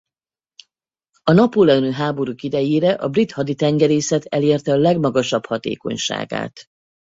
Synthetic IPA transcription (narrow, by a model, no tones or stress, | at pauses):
ɒnɒpoːlɛnøːɦaːbo̞ɾuːkid̪ɛjeːɾɛʔɒbrit̪hɒd̪it̪ɛŋɡɛɾeːsɛt̪ɛleːrt̪ɛɒlɛɡmɒɡɒʃɒbhɒt̪ḛːko̞̰ɲʃa̰ːɡa̰ːt̪